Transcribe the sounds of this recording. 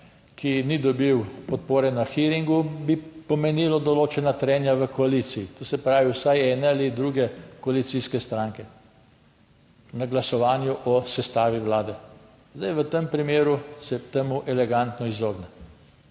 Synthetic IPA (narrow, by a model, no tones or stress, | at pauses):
kʰinid̪ɔbiwpɔt̪̚poːɾɛnaxiɾiŋɡubipɔmɛniːlɔd̪ɔloːt͡ʃɛnat̪ɾɛːnjaʋəkɔaliːt̪siit̪oːsɛpɾaːʋiwsajɛnɛalid̪ɾuɡɛkɔalit̪siskɛst̪ɾaːŋkɛ | naɡlasɔʋaːnjuʔɔsɛst̪aːʋiʋlaːd̪ɛ | zd̪ajʋət̪əmpɾimeːɾusɛt̪emuʔɛlɛɡant̪nɔizoːɡnɛ